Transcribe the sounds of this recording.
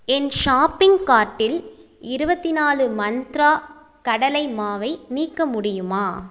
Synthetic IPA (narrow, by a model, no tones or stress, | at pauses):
ɛnʃaːpːɪŋɡkaːʈːɪlɪɾɯbɐt̪ːɪnaːlɯmɐnd̪ɾaː | kɐɽɐlɐɪmaːʋɐɪniːkːɐmʊɽɪjɯmaː